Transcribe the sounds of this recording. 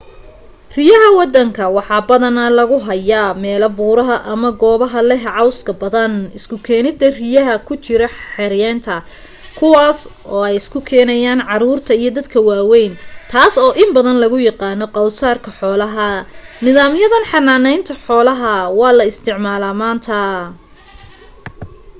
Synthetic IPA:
rɪjɐɦɐwɑd̪ɐŋkʰɐwɑħɑːbɐðɐnɐlɐɣʊɦɐjamɛːlɐbuːɾɐɦɐʔɐmɐɡɔːβɐɦɐlɛɦʕɑwskʰɐbɐðɐnɪskʰʊkʰɛːnɪd̪ɐrɪjɐɦɐkʰʊt͡ʃɪɾɐħɛɾjɛːnt̪ʰɐ | kʰʊwɑːsʔɔːɛjɪskʰʊkʰɛːnɐjaːnʕɑɾuːrt̪ʰɐijɞd̪ɐd̪kʰɐwɑːwɛjnt̪ʰaːsɔːʔɪmbɐðɐnlɐɣʊjɑqɑːnɔqɑwsaːrkʰɐħɔːlɐɦɐnɪðaːmjɐðɐnħɑnaːnɛjnt̪ʰɐħɔːlɐɦɐwɑːlɐɪst̪ʰɪʕmaːlaːmaːnt̪ʰɐ

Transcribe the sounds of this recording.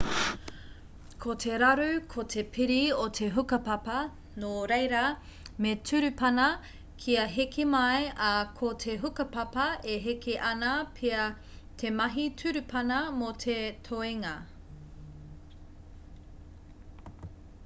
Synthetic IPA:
kʰotʰeɾɐɾʉkʰot̪ʰepʰiɾiotʰeɦukɐpɐpɐ | noɾejɾɐ | metʰʉɾʉpɐnɐ | kʰiɐɦekʰemɐjɐkʰotʰeɦukɐpɐpɐeɦekeʔɐnɐpʰeɐ | tʰemɐɦitʰʉɾʉpʰɐnɐmotʰetʰoiŋɐ

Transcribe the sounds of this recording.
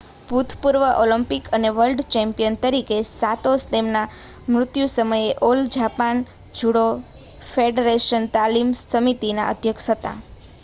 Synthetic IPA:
bʱut̪ʰpuɾʋəʔoləmpikəneʋəlɖt͡ʃɛ̃mpijənt̪əɾikesat̪ost̪emna | mɾʊt̪jusəməjeʔold͡ʒapan | d͡ʒuɽo | feɖeɾeʃənt̪alimsəmit̪ina̰ʔə̰d̪ʱjəkʃɦət̪a̰

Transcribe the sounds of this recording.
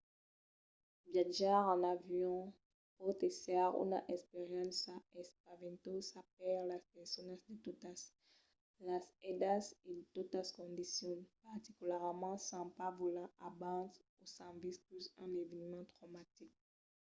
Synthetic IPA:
bjaʒaʁɑ̃navjɔ̃ | pot̪esaʁṵna̰ʔɛspeʁjɑ̃nsaɛspavɛ̃nt̪osap̚ɛʁlaspɛsɔnãsd̪et̪ot̪as | lasɛd̪asedt̪ot̪askɔ̃d̪isjɔnpaʁt̪ikylɛʁmɑ̃sɑ̃pavulãʔabɑ̃t̪usɑ̃visplysɑ̃nevɛnmɑ̃t̪χɔmat̪ik̚

